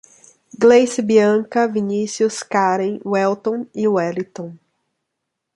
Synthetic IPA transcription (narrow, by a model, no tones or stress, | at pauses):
ɡlejsibiɐ̃kɐvinisiuskaɾẽj̃wɛlt̪õw̃ɪwɛlit̪õ